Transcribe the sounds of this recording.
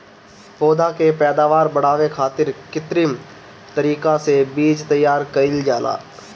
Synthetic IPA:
poːd̪akepɛːd̪aːʋaːɾbəɽ̤aːʋekʰaːt̪ɪɾkɪt̪ɾim | t̪əɾiːkãsebiːd͡ʒt̪ɐjːaːɾkɐɪld͡ʒaːla̰ː

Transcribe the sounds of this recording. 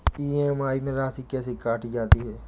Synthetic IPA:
iːeːmaːimẽɾaːsikɛːsekaːʈid͡ʒaːt̪iɦɛː

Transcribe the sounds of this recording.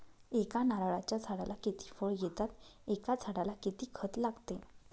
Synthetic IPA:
ekanaɾaɭat͡ɕjat͡sʰaɽalakit̪iːfəɭjet̪at̪ekat͡sʰaɽalakit̪iːkʰət̪laɡt̪e

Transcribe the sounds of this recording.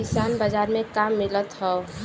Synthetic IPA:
ɪsaːnbad͡ʒaːɾmẽkamːɪlət̪ɦɛo

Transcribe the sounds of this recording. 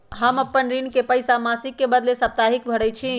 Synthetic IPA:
ɦəməpːənɾinkepəjsamasikːebəd̪lesəp̚t̪aɦik̚bʱəɽɛt͡ʃʰi

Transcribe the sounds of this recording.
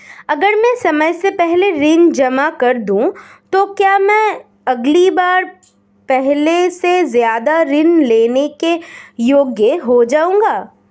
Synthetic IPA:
ɐɡəɾmɛ̃sɐməjsepɛɦleɾɪnd͡ʒɐmakɐɾd̪ũt̪okjaːmɛ̃ː | ɐɡlibaːɾ | pɛɦlesezjaːd̪aɾɪnleːnekejoːɡjəɦod͡ʒaːũːŋɡaː

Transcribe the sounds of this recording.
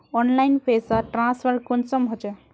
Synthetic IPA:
ɔnlajnpʰesaʈɾãspəɾkʊnsɔmɦot͡ʃɛ

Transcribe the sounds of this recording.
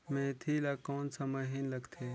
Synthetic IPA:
mẽːt̪ʰiːlakoːnsamɐɦinlɐɡt̪ʰeː

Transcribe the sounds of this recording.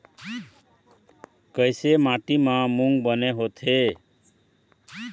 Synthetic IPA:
kəjsemaʈimãmuŋɡbəneɦot̪ʰe

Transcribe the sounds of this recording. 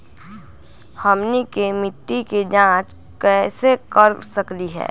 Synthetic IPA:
həmnikemɪʈːiked͡ʒãːt͡ʃ | kɛːsekəɾsəkliɦɛ̰ː

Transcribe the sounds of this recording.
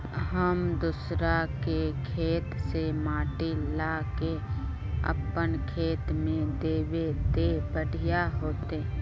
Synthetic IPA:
ɦəmd̪ʊsɾakekʰeːt̪semaːʈilake | ə̰pːənkʰeːt̪mẽd̪eːwed̪ebəɽʱijaɦoːt̪e

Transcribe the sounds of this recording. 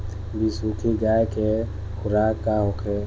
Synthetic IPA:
bisukʰiɡaːeke | xʊɾaːkːaɦokʰe

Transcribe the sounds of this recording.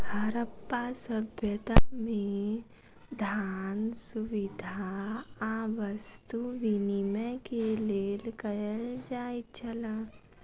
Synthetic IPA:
həɾəpːasəbʱjət̪amẽ | d̪ʱaːnsuʋɪd̪ʱaaʋəst̪uʋiniməkeleːlkəɾəld͡ʒaːit͡ʃʰələ

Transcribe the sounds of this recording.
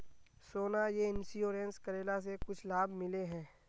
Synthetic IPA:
soːnajeɪnsioːɾẽːnskəɾeːlas̬ekʊt͡ʃʰlaːbmɪleɦɛ̃ː

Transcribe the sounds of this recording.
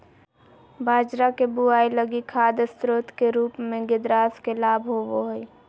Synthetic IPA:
bʱaːd͡ʒɾakebuaːiləɡikʰaːd̪st̪ɾoːt̪keɾuːpmẽɡɪd̪ɾaːskelaːbʱɦoboɦoi

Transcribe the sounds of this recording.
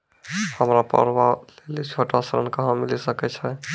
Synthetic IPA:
həmɾapə̰ɾwalelit͡ʃʰoʈasəɾə̰nkəɦãmilisəkɛt͡ʃʰɛ

